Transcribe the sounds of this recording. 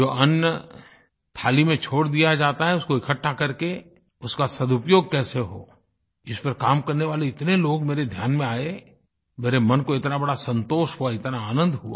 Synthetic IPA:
d͡ʒoːɐnjə | t̪ʰaːlimẽt͡ʃʰoːɽd̪ijad͡ʒaːt̪aɦɛʊskoɪkʰəʈʰːakɐɾke | ʊskasɐd̪ʊpjoːɡ̚kɛːseɦo̰ː | ɪspɐɾkaːmkɐɾneʋaːleɪt̪neloːɡmeːɾed̪ʱjaːnmẽaːe | meːɾemɐnkoɪt̪nabɐɽasɐ̃nt̪oːʃɦuaɪt̪naaːnə̃nd̪ɦʊa̰ː

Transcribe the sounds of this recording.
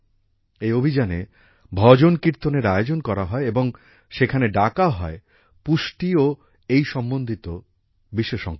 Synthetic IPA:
eobʱid͡ʑanḛ | bʱɔd͡ʑonkiɾt̪oneɾaeod͡ʑonkɔɾaɦɔeeboŋ | ʃekʰaneɖakaɦɔe | puʃʈio | ejʃɔmbond̪ʱit̪o | biʃeʃɔ̰ŋ

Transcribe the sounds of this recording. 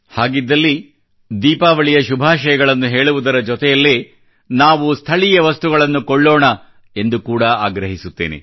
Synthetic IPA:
haːɡid̪ːɐlːi | d̪iːpaːʋɐɭijɐʃubʱaːʃɐjɐɡɐɭɐnːuɦe̞ːɭuʋud̪ɐɾɐd͡ʒɔt̪ɛjɐlːeː | naːʋust̪ʰɐɭijɐʋɐst̪uɡɐɭɐnːukɔɭːɔːɳɐ | e̞nd̪ukuːɽɐaːɡɾɐɦisut̪ːeːnḛ

